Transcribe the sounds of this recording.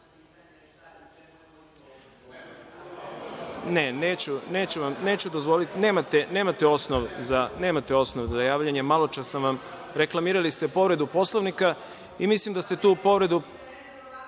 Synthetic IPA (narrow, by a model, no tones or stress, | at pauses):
neneːt͡ɕune̞ːt͡ɕuʋamneːt͡ɕud̪o̞zʋo̞lit̪ine̞ːmat̪ene̞ːmat̪eo̞snoʋzane̞ːmat̪eo̞snoʋzajaːʋʎaɲemalˠo̞t͡ʃasamʋam | ɾeklˠamiːɾalist̪epo̞ʋɾe̞d̪upo̞slˠoʋnika | imislimd̪ast̪e̞t̪uːpo̞ʋɾe̞d̪u